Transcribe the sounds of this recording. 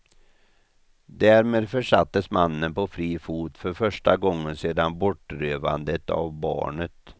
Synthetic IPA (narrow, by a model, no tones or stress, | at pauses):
d̪æːɾmeːd̪fœʂat̪ːəsmanːənpɔfɾiːfuːt̪fœɾfœʂʈaɡɔŋːənseːd̪anbɔʈːɾøːva̰nd̪ət̪a̰vbɑ̰ːɳət̪